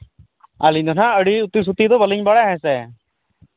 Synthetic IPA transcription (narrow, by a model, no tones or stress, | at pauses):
aliɲd̪ɔnaəɽiut̪is̬ut̪id̪ɔbəliɲbaɽajɛ̃sɛ